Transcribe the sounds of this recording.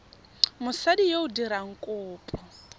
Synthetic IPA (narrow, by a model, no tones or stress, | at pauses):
mʊsadijeudiɾaŋ̩kʼʊːpʼɔ